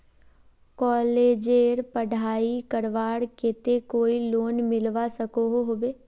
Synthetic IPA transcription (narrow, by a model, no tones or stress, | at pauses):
kɔːleːd͡ʒeːɾpəɽʱaːikəɾʋaːɽkeːt̪ekoːiloːnmɪlʋasəkoɦoɦoːbeː